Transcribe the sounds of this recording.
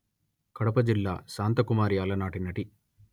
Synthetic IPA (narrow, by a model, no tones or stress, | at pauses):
kɐɽɐpɐd͡ʒilːa̰ːsaːnt̪ɐkumaːɾjaːlɐnaːʈinɐʈi